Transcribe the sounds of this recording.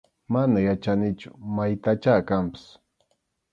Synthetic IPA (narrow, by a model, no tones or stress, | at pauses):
manajat͡ʃanɪt͡ʃʊ̥majt̪at͡ʃaːkampɪ̥s